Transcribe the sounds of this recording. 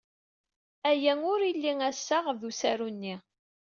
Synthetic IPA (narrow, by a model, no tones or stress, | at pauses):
æjæŋʊɾilːiŋæsːaʁðusæɾunːi